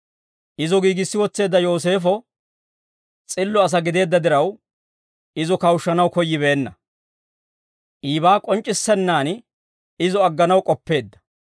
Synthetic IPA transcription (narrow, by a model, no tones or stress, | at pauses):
ʔɪzɔɡiːɡɪsːɪwɔt͡sːe̞ːd̪ːɐjo̞ːs̬e̞ːfɔ | t͡sʼɪlːɔɐs̬ɐɡɪd̪e̞ːd̪ːɐd̪ɪɾɐw | ɪzɔkɐwʊʃːɐnɐwkɔjːɪβeːnːɐ | ʔiːbaːkʼɔnt͡ʃʼːɪsːɛnːaːn | ɪzɔɐɡːɐnɐwkʼɔpːe̞ːd̪ːɐ̥